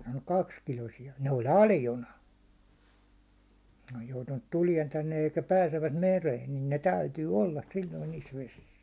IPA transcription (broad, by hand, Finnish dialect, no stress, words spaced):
sɑːnːuk kɑkskilosijɑ ne olʲ ɑljonɑ ne oj joutunːut tuliɛn tænːej jɑ eikæ pæːseʋːæt mereːn nin ne tæytyː olːɑ silːoin niːs ʋesis